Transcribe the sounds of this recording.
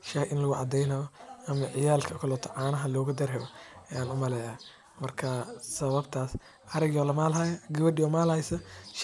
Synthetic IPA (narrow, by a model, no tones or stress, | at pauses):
ʃɐhʔɪnlɐɣʊʕɑ̰d̪ɛjnɐɣɔʔɐmɐʕɪjaːlkʰɐkʰɐlɔt̪ʰɐʕaːnɐɦɐlɔːɣʊd̪ɐrɦɛβɔɛjaːnʊmɐlɛjaː | mɐrkʰɐsɐβɐbt̪ʰaːs | ʔɐɾɪɡjɔlɐmaːlɦɐjɐɡɐβɐdɪɔːmaːlhɐjsɐʃ